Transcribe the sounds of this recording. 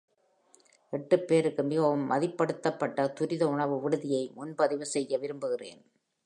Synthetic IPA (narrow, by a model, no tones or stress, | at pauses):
ʔɛʈːɯpːeːɾɯkːɯmɪɣɐʋɯmːɐðɪpːɐɽɯt̪ːɐpːɐʈːɐt̪ʊɾɪðɐʊɳɐʋɯʋɪɽɯðɪjɐɪmʊnbɐðɪʋɯsɛjːɐʋɪɾɯmbɯɣɪrḛːn